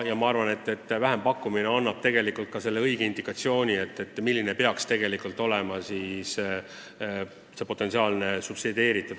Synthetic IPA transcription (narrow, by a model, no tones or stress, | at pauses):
jɑmɑɑrvɑne̞t̪ːˑe̞t̪ːvæɦempɑkːˑumineɑnːɑb̥̚t̪e̞ɡ̥e̞likult̪̚kɑse̞lːe̞ɤiɡ̥eind̪ikːˑɑt̪sio̞ːnʲie̞t̪ːˑe̞t̪ːˑmilːinepe̞ɑkst̪e̞ɡ̥e̞likult̪ːˑo̞le̞mɑsis | se̞po̞t̪ːˑesiɑːlnesupsid̪e̞ːɾit̪ːˑud̪